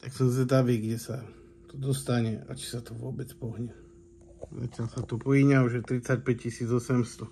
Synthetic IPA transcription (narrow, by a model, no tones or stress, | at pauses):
t̪aksɔmzɛd̪aʋiɡɟɛsa | t̪ɔd̪ɔst̪aɲɛa̰t͡ʃi̥sat̪ɔʋʊɔbɛt͡spɔɦɲɛ | za̰t̪ɪalsat̪ɔpɔjiɲauʒɛt̪ɾit͡sac̚pɛc̚cisiːd͡zɔsɛmst̪ɔ